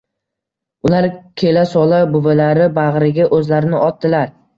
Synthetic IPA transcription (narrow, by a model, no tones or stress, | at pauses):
ʊlaɾkʲʰe̞lasɒlˠabʊvalaɾɪbaʁɾɪɡʲaʔɵzlaɾɪnɪɒt̪̚ːdɪlaɾ